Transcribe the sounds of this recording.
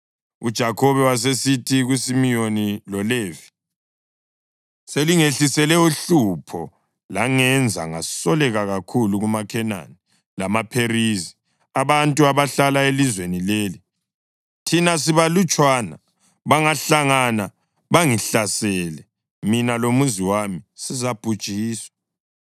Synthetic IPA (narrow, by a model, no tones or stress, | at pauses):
ud̥ʒ̥ʱakʰɔβɛwas̬esitʰiɣwisimijonilɔleːvi̥ | seliŋeɬisɛlɛuɬupʰɔ | laŋɛnd͡zʱa̰ŋa̰sɔlɛɣaɣakʰuluɣumakʰɛna̰ni | lamapʰeɾizi | aβantʼuaβaɬalaelizwenileːli | tʰinas̬iβalut͡ʃʼwana̰ | βaŋaɬaŋana | βaŋiɬasɛlɛ | minalomuziwamisizab̥ʱud̥ʒ̥ʱiːswḁ